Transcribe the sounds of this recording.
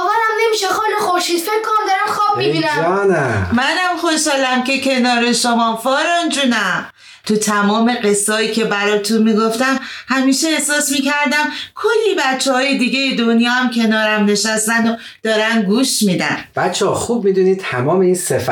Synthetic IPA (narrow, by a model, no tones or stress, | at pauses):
ɒvæɾæmnemiːʃexɔbinxoɾʃiːd̪̥fe̞kʰːonæmd̪ɒɾamxɒːbmmibiːɾænæmænæmxoʃhɒːlæmce̞cʰe̞nɒːɾe̞ʃomɒːfɒːɾɒnd͡ʒuːnæm | t̪ʰut̪ʰæmɒːme̞ɢe̞sːɒːiːcʲʰe̞bæɾɒːjt̪ʰunmiːɡo̞ft̪æmhæmiːʃeehsɒːsmiːcæɾd̪æmkʰolːiːbæt͡ʃʰːɛhɒːjed̪iɡe̞jed̪onjɒːæmcʰe̞nɒːɾæmne̞ʃæst̪ænd̪o | d̪̥ɒːɾænɡuːʃmiːd̪æ̰nb̥æt͡ʃʰːehɒxuːb̚miːd̪uːniːd̪̚t̪ʰæmɒːmeiːnsef